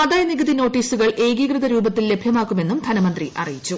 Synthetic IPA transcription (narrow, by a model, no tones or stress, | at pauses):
ɐðaːjɐniɣɨðino̞ːʈːiːsuɣɐɭe̞ːɡiːɡrɨðɐɾuːbɐt̪ːille̞bʱjɐmaːkːume̞nːumd̪ʱɐnɐmɐnd̪riʔɐ̰rijit͡ɕːu